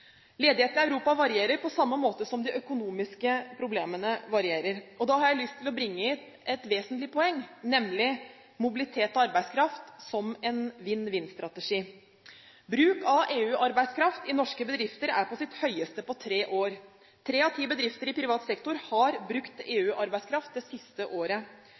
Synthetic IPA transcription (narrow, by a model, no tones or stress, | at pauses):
leːd̪ɪheːt̪nəæʉɾuːpɑʋɑɾɪeːɾəɾpʰɔsɑmːəmoːt̪əsɔmd̪ɪʔœkʊnuːmɪskəpʰɾʊbleːmənəʋɑɾɪeːɾəɾɔd̪ɑhɑɾjæɪlʏst̪ʰːɪlɔbɾɪŋːəɪt̪ | ɛt̪ʋeːsnt̪lɪpʰɔɛŋːnɛmlɪ | mʊbɪlɪt̪ʰeːt̪ɔɑɾbæɪskʰɾɑft̪sɔmɛnʋɪnːʋɪnst̪ɾɑt̪əʂiː | bɾʉːkɑʔeːʉːʔɑɾbæɪskʰɾɑft̪ɪnɔʂkəbəd̪ɾɪft̪əɾæ̰ɾpʰɔsɪt̪hœʏəst̪əpɔt̪ʰɾeːʔoːɾ | t̪ʰɾeːɑt̪ʰiːbəd̪ɾɪft̪əɾɪpʰɾɪʋɑːt̪sɛkt̪ʊɾhɑɾbɾʉkt̪eːʉːʔɑɾbæɪskʰɾɑft̪̚d̪ɛsɪst̪əʔoːɾə